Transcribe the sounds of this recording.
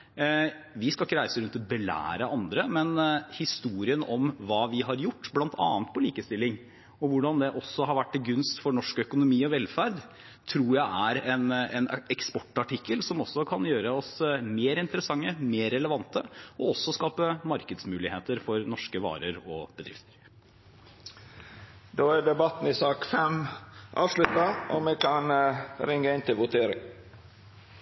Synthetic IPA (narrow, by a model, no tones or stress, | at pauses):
ʋɪskɑlɪkːəɾæɪsəɾʉnt̪bɛlæ̰ːɾəʔɑnd̪ɾəmɛnhɪst̪uːɾɪənɔmʋɑːʋɪɦɑɾjʊʈːblɑnt̪ʰɑ̰ːnt̪̚pʰɔliːkəst̪ɪlːɪŋ | ɔʋʊɖɑnd̪ɛʔɔsːɔɦɑɾʋæʈːɪɡʉnst̪fɔɾɳɔʂkœkʊnʊmiːɔʋɛlfæɾd̪ | t̪ʰɾuːjæɪʔæɾɛnɛnɛkspɔʈːɑʈɪkːəlsɔmɔsːɔkʰɑnjøːɾəɔsmeːɾɪnt̪əɾəsɑŋːəmeːɾɛləʋɑnt̪əɔɔsːɔskɑːpəmɑɾkəd̪smʉːlɪheːt̪əɾfɔɾnɔʂkəʋɑ̰ːɾəɾɔb̥əd̪ɾɪ̰ft̪ə̥ɾ | d̪oːæɖɛbɑt̪n̩ɪsɑːkfɛmʔɑːʋʂlʉt̪ɑʔɔmekʰɑnɾɪŋɡəɪnt̪ʰɪlʋʊt̪ʰeːɾɪ̰ŋ